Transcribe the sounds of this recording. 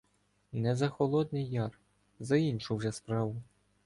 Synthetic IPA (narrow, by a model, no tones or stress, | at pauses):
nɛzɐxɔlˠɔd̪̚ʲnʲɛjɑr | zɐinʲʃuwʒɛspɾɑʋʊ